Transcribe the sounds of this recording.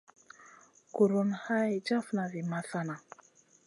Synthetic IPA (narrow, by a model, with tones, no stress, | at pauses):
ɡu˨ɾu˨nha˦jd͡ʒa˦fna˨vi˨ma˨sa˦na˨